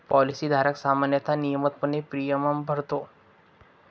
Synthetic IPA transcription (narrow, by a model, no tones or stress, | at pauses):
pɔlisiːd̪ʱaɾəksamanjət̪anijəmət̪̚pənepɾijəməmbʱəɽt̪o